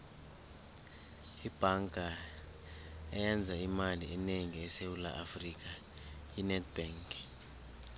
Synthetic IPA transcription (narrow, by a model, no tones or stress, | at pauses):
ib̥ʱaŋɡʱa | ɛjɛnd͡zʱaimaliɛneŋiɛsewula̰ʔafrik̬ʼa | jinɛdb̥ɛːŋk